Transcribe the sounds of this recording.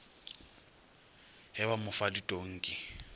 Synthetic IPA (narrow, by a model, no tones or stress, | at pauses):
hɪbamʊfaditʼoŋ̩ːkʼɪ